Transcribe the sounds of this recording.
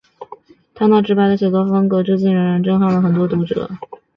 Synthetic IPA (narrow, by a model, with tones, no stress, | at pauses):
t̪ʰa˥na˥˩ʈ͡ʂɻ̩˥pa˧˥ɪd̪ə˧˩ɕʰi˨˩t̪wɔ˥˩fɤ˥ŋkɤ˧˥ʈ͡ʂɻ̩˥˧t͡ɕi˥˩nɻə˧˥ŋɻa˧˥nʈ͡ʂɤ˥˧ŋxɑ˥˩ŋlə˩xə˨˩nt̪̬wɔ˥t̪u˧˥ʈ͡ʂɤ̰˨˧˥